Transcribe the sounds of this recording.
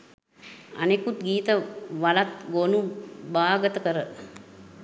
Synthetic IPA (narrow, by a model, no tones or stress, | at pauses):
a̰nekut̪̚ɡiːt̪əʋalat̪ɡonubaːɡət̪əkəɾə